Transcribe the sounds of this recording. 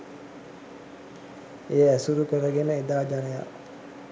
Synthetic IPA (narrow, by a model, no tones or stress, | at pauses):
ejəæsuɾukəɾəɡenəed̪aːd͡ʒanəja̰